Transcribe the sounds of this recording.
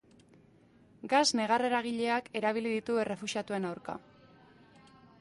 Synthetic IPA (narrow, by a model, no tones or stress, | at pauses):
ɡazne̞ɣ̞are̞ɾaɣ̞iʎe̞ake̞ɾaβ̞iliðit̪ue̞re̞fuʃiat̪ue̞nawɾka̰